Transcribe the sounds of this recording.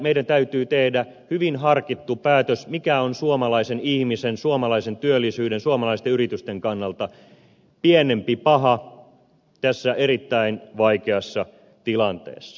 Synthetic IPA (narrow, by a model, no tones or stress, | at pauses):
meidænt̪æyt̪yːt̪ehdæ | hyʋinhɑrkit̪ːupæːt̪øsmikæonsuomɑlɑisenihmisensuomɑlɑisent̪yølːisyːdensuomɑlɑist̪eyrit̪yst̪eŋkɑnːɑlt̪ɑ | pienempipɑɦɑ | t̪æsːæerit̪ːæinʋɑikeɑsːɑ | t̪ilɑnt̪ḛːsːɑ̥